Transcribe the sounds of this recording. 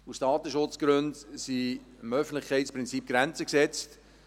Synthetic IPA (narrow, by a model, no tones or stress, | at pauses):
usd̥ɑːt̪əʃʊt͡sɡ̥ɾɵndsi | ɪmœfn̩tlɪχkʰɛɪtspʁɪnt͡sip̚ɡ̥ɾɛnt͡səksɛt͡st